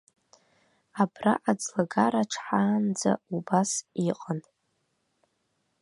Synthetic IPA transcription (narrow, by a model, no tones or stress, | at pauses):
abraʔad͡zlaɡaɾaʈ͡ʂʰħaːnd͡za̰ubasiqʼən